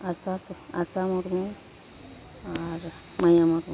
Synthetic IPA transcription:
asas | a̰samɔɾmu | aɾ | majamɔɾmu

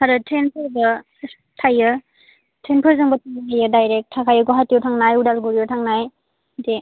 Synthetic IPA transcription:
haɾɯtʰɾenpʰɯɾbɐ | tʰajɯ | tʰɾenpʰɯɾzɯŋbɐtʰanajɯdajɾek̚tʰːakʰajɯɡɔɦatijɔwtʰaŋnajudalɡuɾijɔwtʰaŋnaj | de

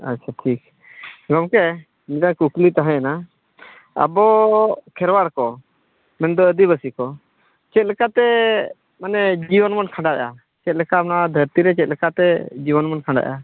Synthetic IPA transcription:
a̰tːt͡ʃʰaʈʰik̚ | ɡɔmkɛ | midankuklit̪aɦɛ̃jana | a̰bɔkʰɛɾwaɽkɔ | mɛnd̪ɔəd̪iβəsikɔ | t͡ʃɛt̪̚lɛkat̪ɛ | manɛd͡ʒiwənmankʰãɳɖaʔa | t͡ʃɛt̪̚lɛkamnad̪ʱəɾt̪iɾɛt͡ʃɛt̪̚ˀlɛkat̪ɛd͡ʒibənmankʰãɳɖa̰ʔa

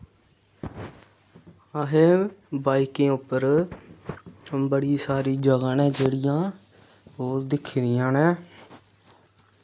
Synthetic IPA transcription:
əɦẽːbaːikẽːʊpːəɾ | bəɽiːsaːɾiːd͡ʒəɡãːnɛ̃ːd͡ʒeːɽijãː | oːd̪ɪkʰɾɪjãːnẽː

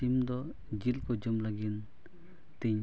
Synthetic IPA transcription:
imd̪ɔ | d͡ʒilkɔd͡ʒumlaɡin | t̪iɲ

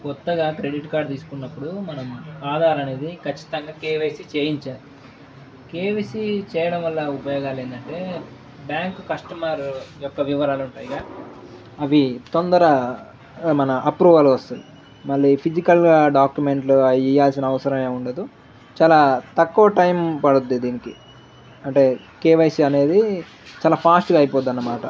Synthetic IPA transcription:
kɔt̪ːɐɡaːkɾe̞ɖiʈkaːɾɖt̪iːsu̥kunːɐpːuɽumɐnɐmaːd̪ʱaːɾɐne̞ːd̪ikɐt͡ʃːi̥t̪ɐŋɡaːkeːʋesit͡ʃeːjiɲt͡ʃaːɾu | keːʋesit͡ʃɛːjɐɽɐmʋɐlːaupɐjɔːɡaːleːnd̪ɐɳʈe̞ː | bjaːŋkkɐʂʈɐmaːɾujɔkːɐʋiʋɐɾaːluɳʈaːjɡaː | ɐʋit̪ond̪ɐɾɐ | mɐnɐʔɐpɾuːʋɐlʋɐst̪und̪i | mɐɭːiːpʰid͡ʒikɐlɡaːɖaːkjume̞ɳʈluijaːlsinɐɐʋɐsɐɾɐmeːuɳɖɐd̪u | t͡ʃaːlaːt̪ɐkːuʋɐʈɐjmpɐɽud̪ːid̪iːniki | ɐɳʈe̞ː | keːʋɐjsiɐne̞ːd̪i | t͡ʃaːlaːpʰaːsʈɡaːjipoːd̪ɐnːɐmaːʈɐ

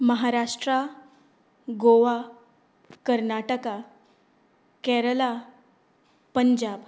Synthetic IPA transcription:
məɦaɾaʂʈɾa | ɡoʋa | kəɾnaʈəka | kɛɾəla | pəɲd͡ʑab

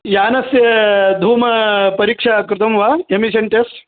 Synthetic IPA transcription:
jaːnɐsjɐd̪ʱuːmɐpɐɾiːkʂakɾɪt̪ɐmʋaːemiʃɐnʈeːsʈ

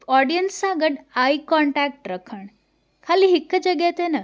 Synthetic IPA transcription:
ɔɽijənsãɡəɽaikɔɳʈak̚ʈɾəkʰəɳ | kʰaliɦikːəd͡ʒəɡat̪enə

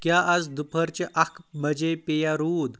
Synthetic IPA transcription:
kjaʔad͡zd̪upʰəɾt͡ɕeʔakʰməd͡ʑepejaɾuːd̪

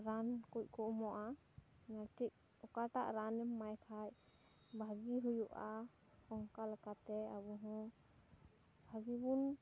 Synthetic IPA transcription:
ɾankuc̚ˀkɔʔmɔʔa | natic̚ | ɔkaʈaʔɾanɛmːajkʰaj̚ | bʱaɡiɦujuʔa | kɔŋkalɛkat̪ɛabɔɦɔ̃ | bʱaɡibun

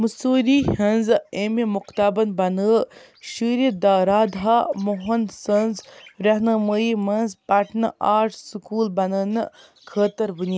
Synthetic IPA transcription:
musuːɾihɐnzemimukt̪abɐnbɐnə | ʃiɾid̪aːɾaːd̪ɦamoɦɐnsənzɾɐɦnɐməimɐnzpɐʈʰnʔaːʈʰsukuːlbɐnəːn | kʰəːt̪əɾbuni

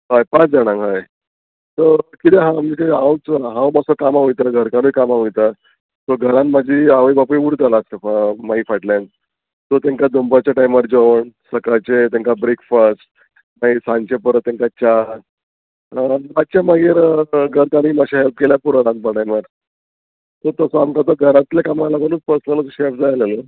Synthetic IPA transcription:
ɦajpat͡sd͡zaɽ̃ãŋɡɦaj | t̪əkit̪eɦãmiːk̪aãwt͡sɦãwmasəkamaʋujt̪aɡʱəɾkaɾujkamaʋijt̪a | t̪oɡʱəɾãnmad͡ʑiːaʋəjbapuiʋuɾd͡z̪alasəmaifaʈlãn | t̪ot̪ãŋkad̪ombat͡ɕaʈajmʋaɾd͡zoʋɳsəkajt͡ɕet̪ãŋkabɾekfəsʈ̚ | maisãɲt͡ɕepəɾət̪ːãŋkat͡ɕa | mat͡ɕjamaɡiɾɡʱəɾk̪aniːmaɕaɦelp̚keljapuɾaɾãnt̪̚pəʈajmaɾ | t̪ot̪əsɔamkat̪əɡʱəɾãt̪ljakamalaɡənuːt͡spəɾsnalət͡sɕefd͡zajalelə

